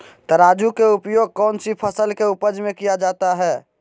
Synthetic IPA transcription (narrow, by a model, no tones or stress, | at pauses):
t̪əɾaːd͡ʒukeupjoːɡ̚kɔːnsipʰəsəlkeupəd͡ʒmẽkijad͡ʒaːt̪aɦɛː